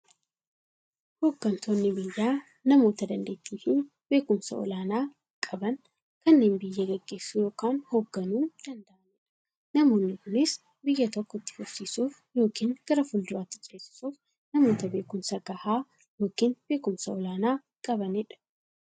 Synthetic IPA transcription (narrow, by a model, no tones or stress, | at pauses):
hoːɡːɐnt̪ʰo̞ːnːɪbɪjːaː | nɐmo̞ːt̪ɐd̪ɐnd̪e̞ːt̪ːiːfɪ | be̞ːkʊmsɐ̰ɔ̰laːnaː | kʼɐbɐn | kɐnːe̞ːnbɪjːɐɡɛɡːe̞ːsːujo̞ːkaːnhoːɡːɐnuːd̪̥ɐnd̪ɐʔɐnɪᶑɐ̥ | nɐmo̞ːnːɪkʊnɪs | bɪjːɐt̪ɔkːɔɪt̪ːɪ̥fʊsiːsuːf | jo̞ːkiːŋɡ̥ɐɾɐfʊld̪ʊɾaːt̪ːɪt͡ʃʼeːsɪ̥suːf | nɐmo̞ːt̪ɐbe̞ːkʊmsɐɡɐhaː | jo̞ːkiːnb̥e̞ːkʊmsɐɔlaːnaː | kʼɐbɐnɪᶑɐ̥